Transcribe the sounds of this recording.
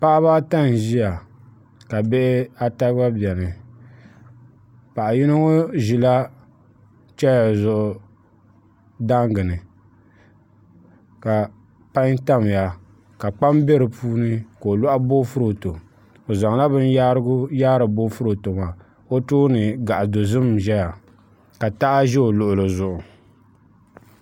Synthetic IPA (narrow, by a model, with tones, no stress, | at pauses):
pa˦ʔa˦βa˦ta˦n˨ʒi˦ja˨ | ka˨bɛ˦ʔɪ˦a˦ta˦a˦bi˨ɛ˨nɨ˨ | pa˨ʔa˨ji˦no˦ŋo˦ʒi˨la˦ | t͡ʃɛ˦a˨zʊ˨ʔʊ˨ | da˦ŋ˦ɡɨ˨nɨ˨ | ka˨ | pa˦ɲ˦ta˦m˨ja˨ | ka˨k͡pa˦mbɛ˦ɾɨ˨puː˦nɨ˦ko˨o˨lɔ˦ʔa˦bo˦fʊ˦ɾo˨to˨ | o˨za˨ŋ˨la˦bɨ˦nja˦ɾɡʊ˦jaː˦ɾɨ˨bo˦fʊ˦ɾo˨to˨ma˨ | o˦tuː˦nɨ˨ɡa˨ʔa˨do˨zɨ˦mʒɛ˦ja˨ | ka˨ta˦ʔa˦ʒɛ˦o˨lʊ˨ʔʊ˨lɨ˨zʊ˨ʔʊ˨